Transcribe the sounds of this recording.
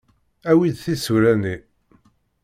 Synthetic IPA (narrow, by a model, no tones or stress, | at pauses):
æwid̪θisuɾæni